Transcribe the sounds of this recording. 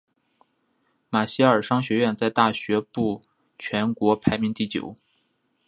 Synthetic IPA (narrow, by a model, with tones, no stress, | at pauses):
ma˨˩ɕi˥ə˞˨˩ʂɑ˥ŋɕɥɛ˧˥ɥɛ˥˧nt͡sa˥˧ɪt̪a˥˩ɕɥɛ˧˥pu˥˩ | t͡ɕʰɥɛ˧˥nkwɔ˧˥pʰa˧˥ɪmi˧˥ŋt̪i˥˩t͡ɕjo̰˨˩˦ʊ